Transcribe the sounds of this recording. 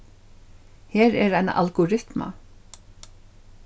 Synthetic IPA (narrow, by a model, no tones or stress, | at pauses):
hɛːɾɛɾajna̰ʔalɡʊɾɪt̪ma̰